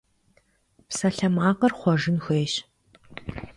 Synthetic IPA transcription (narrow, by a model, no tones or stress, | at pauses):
psɐɬɐmaːqɐrχʷɔʒɨnxʷeːɕ